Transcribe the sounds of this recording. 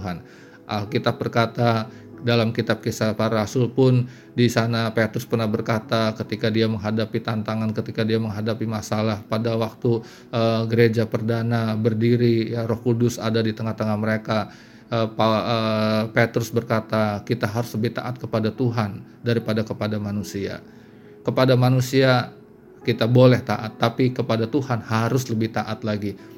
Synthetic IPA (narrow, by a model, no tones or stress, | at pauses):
uɦan | ʔəkit̪ap̚bərkat̪a | dalamkit̪ap̚kisapaɾaɾasʊlpʊn | disanapet̪ɾʊspərnahbərkat̪akət̪ikadiaməŋɦadapit̪ant̪aŋankət̪ikadiaməŋɦadapimasalahpadawak̚t̪u | əɡəɾed͡ʒapərdanabərdiɾijaɾɔhkudʊsa̰dadit̪əŋaht̪əŋahməɾeka | əpaəpet̪ɾʊsbərkat̪akit̪aɦaɾʊsləbɪht̪a̰ʔat̪̚kəpadat̪uɦan | daɾipadakəpadamanusia̰ | kəpadamanusia | kit̪abolɛht̪aʔat̪ːapikəpadat̪uhanhaɾʊsləbɪht̪aʔat̪laɡi